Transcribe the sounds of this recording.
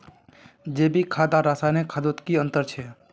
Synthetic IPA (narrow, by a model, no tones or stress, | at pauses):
d͡ʒeːbʱikʰaːd̪aɾaːsajnekʰad̪ot̪kiə̃nt̪əɾt͡ʃʰe